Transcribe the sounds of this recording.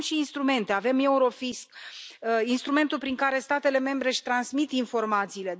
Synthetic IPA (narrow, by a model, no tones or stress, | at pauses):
mʃiːnst̪ɾume̞nt̪e̞ave̞me̞uɾo̞fisk | inst̪ɾume̞nt̪ulpɾiŋkaɾe̞st̪at̪e̞le̞me̞mbɾe̞ʃt̪ɾansmit̪info̞rmat̪siːle̞